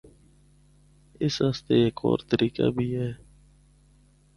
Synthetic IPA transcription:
ɪsɦaːst̪eːeːkʰɔ̰ːɾt̪əɾiːka̰ːbʱiːɦɛː

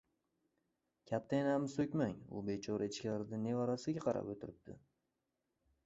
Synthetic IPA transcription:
kʲʰat̪ʰːajɪnaamsɵkʲmaŋʊ̰be̞t͡ʃʰɒɾeɪt͡ʃkʲlaɾɪd̪anːe̞vaɾasɪɡʲaqʰɑɾa̰pot̪ʰɪɾɪp̚d̪̥ɪ̰

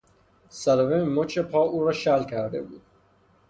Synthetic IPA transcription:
sælovemot͡ʃʰepʰɒːʔuːɾɒːʃælkʰæɾd̪ḛbṵːd̪̥

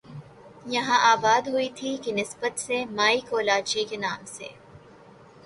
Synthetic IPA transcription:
jɐɦãʔaːbaːd̪ɦuit̪ʰikinɪsbət̪semaːikoːlaːt͡ʃikenaːmsḛ

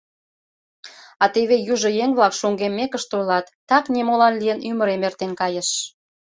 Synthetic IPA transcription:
ɑt̪eβejuʒɤ̆jeŋβlɑkʃoŋɡemːekəʃt̪ojlɑt̪ːɑknemolɑnlijənyməɾemert̪enkɑjə̆ʃ

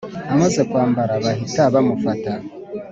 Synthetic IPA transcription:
amaze̞kwaːmbaɾaβahitaβamufata

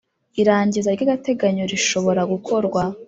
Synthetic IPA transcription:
iɾaːɲɟizaɾɟaɡate̞ɡaɲoɾiʃo̞βo̞ɾaɡukʰo̞ɾɡwa

